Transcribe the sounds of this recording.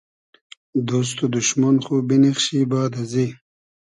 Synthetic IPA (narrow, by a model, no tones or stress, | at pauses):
d̪os̬t̪od̪uʃmanχubinixɕibaːd̪ɐzi